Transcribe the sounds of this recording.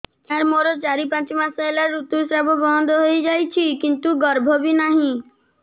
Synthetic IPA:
aɾmoɾɔt͡ʃaɾipãt͡ʃimasɔelaɾːut̪usɾabʱɔbɔnd̪ʱɔɦojd͡ʒajt͡ʃʰikint̪uɡɔɾbʱɔbinaɦĩ

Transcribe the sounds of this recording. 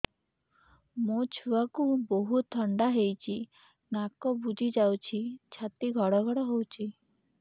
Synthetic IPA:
mot͡ʃʰuakuboɦut̪ʰːɔɳɖaɦejt͡ʃʰi | nakɔbud͡ʒʱid͡ʒawt͡ʃʰit͡ʃʰat̪iɡʱɔɽɔɡʱɔɽɔɦowt͡ʃʰi

